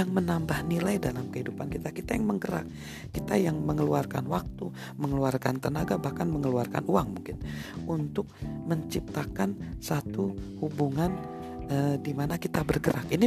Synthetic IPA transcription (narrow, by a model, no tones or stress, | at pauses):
aŋmənambahnilajdalamkəɦidupankit̪akit̪ajaŋməŋɡəɾa̰k̚ː | it̪ajaŋməŋəluarka̰nwak̚t̪u | məŋəluarkant̪ənaɡabahkanməŋəluarka̰nuaŋmuŋkɪnunt̪ʊk̚məɲt͡ʃip̚t̪akansat̪uhubuŋan | ədimanakit̪abərɡəɾakini